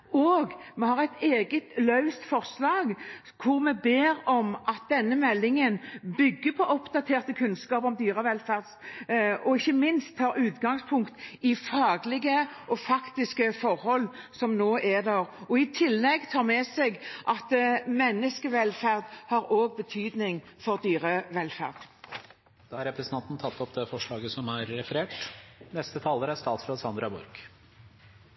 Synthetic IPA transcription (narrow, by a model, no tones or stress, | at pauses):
oːɡmɛhɑʁæɪt̪eːɡət̪lœʉst̪fɔʁslɑːɡ | kʰʊʁmɛbeːɾɔmʔɑt̪̚d̪ɛnːəmɛlːɪŋənbʏɡːəpʰɔʔɔpd̪ɑt̪ʰeːʁt̪əkʰʉnskɑːpɔmd̪yːʁəʋɛlfæʁd̪s | ɔɪçːəmɪnst̪ʰːɑːɾʉːt̪ɡɑŋspʰʊŋkt̪ɪfɑːɡlɪɡəɔfɑkt̪ɪskəfɔɾhɔlː | sɔmnoːʔɛd̪æɾɔɪt̪ʰɪlːɛɡt̪ʰɑːʁmɛsɛɡʔɑt̪mɛnːəskəʋɛlfæʁd̪hɑɾoːɡ̚bət̪ʰyːd̪nɪŋfɔʁd̪yːʁəʋɛlfæ̰ʁd̪̥ | d̪̥ɑːhɑɾɛpɾɛsənʰɑnt̪n̩t̪ʰɑt̪ːɔpd̪ɛfɔʂɭɑːɡəsɔmæɾːɛfəɾeːʈnɛst̪ət̪ʰɑːləɾæɾst̪ɑːt̪fɾɑsɑnd̪ɾɑbɔ̰ɾk